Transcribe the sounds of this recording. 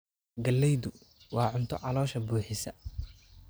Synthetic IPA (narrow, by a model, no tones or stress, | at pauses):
ɡɐlːɛjðʊ | wɑːʕʊnt̪ʰɔʕɑlɔːʃɐbuːħɪsɐ